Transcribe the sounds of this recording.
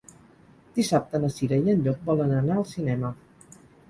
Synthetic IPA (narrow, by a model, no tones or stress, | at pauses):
d̪̥isap̚t̪ənəsiɾəjənʎɔk̚bɔlənənaəlˠsinɛmə